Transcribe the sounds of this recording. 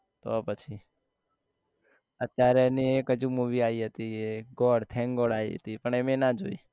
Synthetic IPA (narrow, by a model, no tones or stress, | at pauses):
t̪o̰pət͡ʃʰi | ət̪jaɾɛniekəd͡ʒũmuʋiaiɦət̪ieɡɔɽt̪ʰɛ̃ŋɡɔɽaiɦə̰t̪ipəɳɛmenad͡ʒo̰i